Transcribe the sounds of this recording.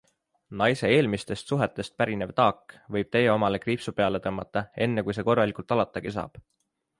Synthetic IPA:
nɑjse̞e̞ːlmist̪e̞st̪suɦe̞t̪ːˑe̞st̪̚pæɾine̞vt̪ɑːkːˑvɤ̞jb̥̚t̪e̞jeo̞mɑle̞kriːpsupe̞ɑle̞t̪ɤmːɑt̪ˑːɑe̞nːekujs̬e̞ːko̞rːɑlikult̪ˑɑlɑt̪ːˑɑɡ̥is̬ɑ̰ːb̥

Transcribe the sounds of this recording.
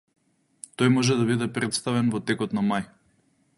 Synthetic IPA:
t̪ɔjmɔʒɛd̪aβid̪ɛpɾɛt̪st̪avɛnvɔt̪ɛkɔt̪namaj

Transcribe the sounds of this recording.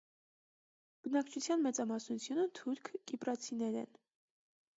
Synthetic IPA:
b̥ənɑkt͡ʃʰut͡sʰjɑnmɛt͡sɑmɑsnut͡sʰjunət̪ʰuɾkʰkipɾɑt͡sʰinɛɾɛ̰n

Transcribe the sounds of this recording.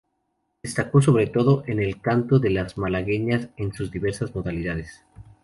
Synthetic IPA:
d̪̥est̪ako̞s̬o̞βɾe̞t̪o̞ðo̞ʔene̞lkant̪o̞ðe̞lazmalaɣeɲase̞nsuzðiβe̞ɾsazmo̞ðaliðaðes

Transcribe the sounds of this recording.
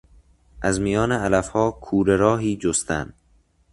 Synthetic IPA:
ʔæzmijɒːneælæfhɒːkʰuːɾeɾɒːɦiːd͡ʒost̪æ̰nd̪

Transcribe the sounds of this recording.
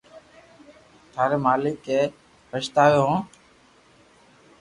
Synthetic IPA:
t̪ʰaːɾeːmaːlɪkeː | pəʃt̪aːʋjoːɦõː

